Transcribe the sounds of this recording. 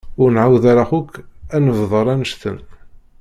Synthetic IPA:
ʊɾnʕawðaɾaxʊkænəvðˤəɾˤænəʃθə̰n

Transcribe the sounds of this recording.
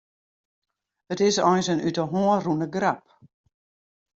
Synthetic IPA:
ətɪsɔjnsənytəɦoərunəɡrap̚

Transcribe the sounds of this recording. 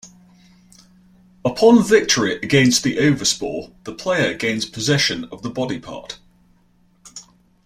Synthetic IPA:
əpʰɒ̃nvɪk̚tʰəɹiʔəɡɛ̃ɪ̃nsðiʔəʊvəspɔ̰ːðəpʰl̥eɪəɡẽɪ̃nz̥pʰəzɛʃə̃nə̰vðəbɒdɪpʰɑ̰ˑt

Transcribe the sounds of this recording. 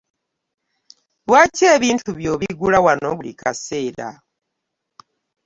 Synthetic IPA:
waceːβiːntuβjo̞βiɡulawano̞βulḭkʰase̞ːɾa̰

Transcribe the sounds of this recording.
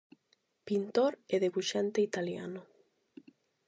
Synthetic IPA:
pint̪oɾeðeɣuʃant̪eit̪alja̰nʊ

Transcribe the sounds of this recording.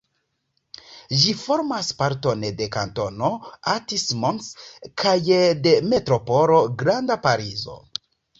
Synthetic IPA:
ʒifo̞ɾmaspaɾto̞nde̞ka̰nto̞noatismonskʰajde̞me̞tɾo̞po̞ɾo̞ɡɾandapaɾizo̞̰

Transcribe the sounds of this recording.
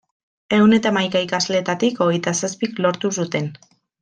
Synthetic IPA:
e̞wne̞t̪amajkaikazleːt̪at̪iko̞ɣejt̪asaspiklo̞ɾt̪us̬ut̪e̞n

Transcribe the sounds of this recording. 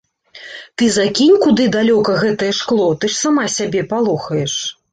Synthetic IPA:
t̪ɨzakʲinʲkud̪ɨd̪alʲɔkɐɣɛt̪ɐjɛʂklˠɔt̪ɨʂsamasʲabʲɛpalˠɔxɐjɛʂ

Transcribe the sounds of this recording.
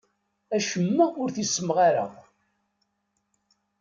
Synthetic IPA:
æʃəmːæʊɾθisːəmʁaɾə̰ʁ

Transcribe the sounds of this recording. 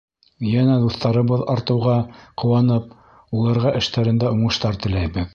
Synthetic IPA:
jænæd̪uθt̪ɑɾɤ̆βɤðɑɾt̪ɤ̆wʁɑqʰŏwɑnɤp̚ | ulˠɑɾʁɑʔɘ̆ʃt̪æɾɘ̆nd̪æuɴɤ̆ʃt̪ɑɾt̪ɘ̆læjbɘð

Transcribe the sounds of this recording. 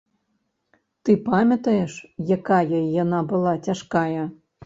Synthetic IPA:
t̪ɨpamʲɐt̪ɐjeʂjakajəjanɑbɨlˠɑt͡sʲaʂkɑjɐ

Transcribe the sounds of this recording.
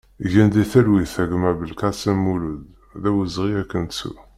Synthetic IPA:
ʝænd̪iθælwiθæɡmæbəlkɑsæmːulud̪ | ðæwəzʁiækːənsṵ

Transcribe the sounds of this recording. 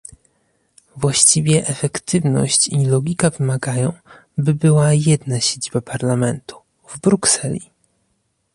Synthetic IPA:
vwaɕt͡ɕivʲjɛʔɛfɛkt̪ɘvnɔ̰ɕt͡ɕilɔɡʲikavɘmaɡajɔ̃w̃ | bɘbɘwajɛd̪naɕed͡ʑibapʰaɾlamɛnt̪u̥ | vbɾuksɛlʲḭ

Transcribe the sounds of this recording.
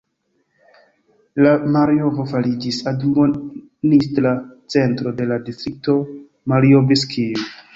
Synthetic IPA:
lamaɾijo̞vo̞faɾid͡ʒisaduo | nistɾat͡se̞ntɾo̞de̞ladistɾik̚to̞ | maɾiobeskʰiu

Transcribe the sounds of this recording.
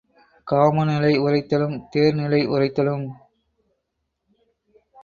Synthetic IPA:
kaːmɐnɪlɐɪʊrɐɪt̪ːɐlɯmt̪eːɾnɪlɐɪʔʊrɐɪt̪ːɐlɯm

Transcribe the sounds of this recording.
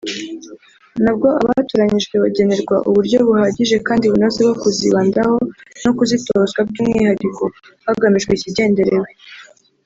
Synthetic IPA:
nabɡo̞ʔa̰βatuɾaɲiʒɡwe̞βaɟe̞ne̞ɾɡwa̰ʔuβuɾɟo̞βuhaɟiʒe̞kaːndiβunozebɡokuziβaːndaho̞no̞kuzitoozɡwab̚ɡuːmŋḭhadiko̞ | haɡamiʒɡweiciɟe̞ːnde̞ɾewe

